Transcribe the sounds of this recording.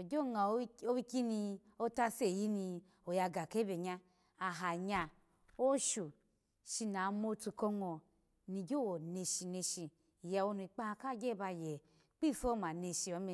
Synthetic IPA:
o˨ɡʲo˦˨ŋa˨˦o˦wi˦ki˦ni˧ | o˦ta˦se˦˨ji˦ni˧ | o˨ja˧ɡa˨ke˦be˨ɲa˧ | a˨ɦa˨ɲa˧ | o˦ʃu˨ | ʃi˧na˨mo˧tu˧ko˧ŋɔ˨ | ni˧ɡʲo˦wo˨ne˧ʃi˧ne˧ʃi˧˨ | ja˧wo˧nu˧i˧˨k͡pa˦˧ka˦˨ɡʲe˦˨ba˧je˨ | k͡pi˦˨fo˦ma˨ne˧ʃi˧˨o˧˦me˧

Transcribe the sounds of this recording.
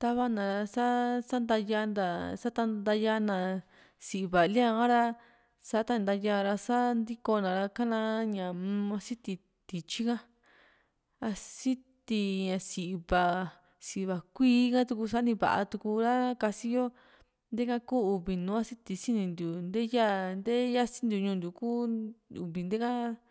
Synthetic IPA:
t̪a˧βa˧nã˨ɾsa˦sa˦nd̪a˧ja˧˦nd̪a˧sa˦t̪a˧d̪a˧ja˧nã˨ | si˨ʔi˧βa˨li˦ã˧kã˦ɾa˧ | sa˧˦t̪a˧˦nd̪a˧ja˧ɾa˧sa˦nd̪i˦ko˧nã˨ɾa˧ka˦nã˧˦ɲã˨˦ã˧si˦t̪i˧ | t̪i˨t͡ʃi˦kã˦ | a˧si˦t̪i˧ɲã˧si˧˨˧βa˨ | si˧˨˧βa˨kʷiː˦kã˦t̪u˧ku˧sa˧˦nĩ˧βa̰˨a̰˧t̪u˧ku˧ɾa˦ka˧si˦jo˦ | nd̪e˦kã˦kuː˦u˧βi˨nũː˨˦a˦si˦t̪i˧si˦nĩ˧nd̪u˨nd̪e˦ja˦nd̪e˦ja˦si̥˦nd̪ju˧ɲũ˧˨nd̪ʲu˨ku˦ṵ˨βi˨nd̪e˦kã˦

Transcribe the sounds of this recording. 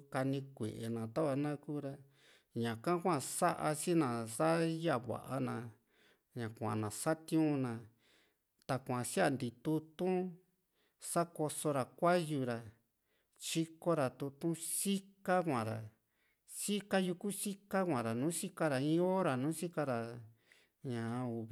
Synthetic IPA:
ka˧nĩ˧kʷḛ˨ʔe˨nã˨t̪a˦βa˧nã˦kuː˦ɾa˧ | ɲã˨kã˦kʷã˦˧˨sa˦ʔa˧t͡ʃi˦nã˨sa˦ja˦βa̰˨ʔa˧nã˧ | ɲã˨kʷã̰˨nã˨sa˦t̪j̃ũ˦nã˧ | t̪a˨kʷã˨si˦a˧nd̪i˨t̪u˧t̪ũ˦ | sa˦ko˧so˧ɾa˨kʷa˦ju˧ɾa˨ | t͡ʃi˦ko˦ɾa˨t̪u˧t̪ũ˦si˦ka˦kʷã˨ɾa̰˨ | si˦ka˦ju˧ku˦si˦ka˦kʷã˨ɾa˨nũː˨˦si˦ka˦ɾa˨ĩ˧˦o˦ɾa˨nũː˨˦si˦ka˧ɾa˨ | ɲã˨˧u˨

